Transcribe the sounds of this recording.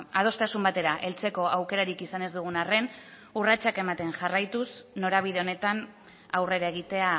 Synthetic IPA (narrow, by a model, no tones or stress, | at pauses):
að̞o̞st̪asumbat̪e̞ɾaʔe̞lt͡se̞ko̞ʔawke̞ɾaɾikisane̞zd̪uɣ̞unare̞n | urat͡ʃake̞mat̪e̞nʝarajt̪usno̞ɾaβ̞ið̞e̞o̞ne̞t̪an | awre̞ɾae̞ɣ̞it̪e̞a